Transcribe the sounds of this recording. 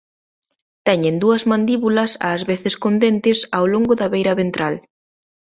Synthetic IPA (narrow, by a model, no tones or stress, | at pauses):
t̪ɛɲend̪uɐzmãnd̪iβulɐsa̰zβeθɪskond̪ent̪ɪsawloŋɡʊðɐβejɾɐβent̪ɾal